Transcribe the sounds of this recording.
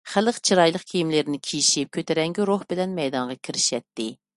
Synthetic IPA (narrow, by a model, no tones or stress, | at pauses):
χælˠəqt͡ʃʰiɾɑjlˠəqkʲʰijimlɪɾnɪkʲʰijiʃip̚kʲʰøt̪ʰɛɾɛŋɡʲiɾohbɪlɛnmɛjd̪ɑɴʁɑkʲʰiɾɪʃɛt̪ːɪ